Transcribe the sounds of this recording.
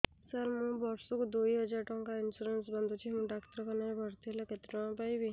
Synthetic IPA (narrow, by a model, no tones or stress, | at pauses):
səɾmũbɔɾsukd̪ojɦəd͡ʒaɾʈɔŋkainsuɾensbənd̪ʱut͡ɕimũɖakt̪ɾəkənabʱəɾt̪ʰilaket̪ɾɔ̃ãpajbi